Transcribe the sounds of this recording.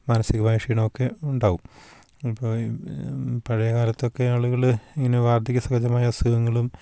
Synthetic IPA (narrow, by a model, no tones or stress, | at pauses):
mɐnɐsiɣɐmaːjɐʂiːɳɐmokːe̞uɳɖaːʋum | ipːoː | pɐɻɐjɐɣaːɾɐt̪ːo̞kːe̞aːɭuɣɐɭiŋːɐneʋaːrd̪ikʲːɐsɐɣɐd͡ʑɐmaːjɐsuʋɐŋːɐɭum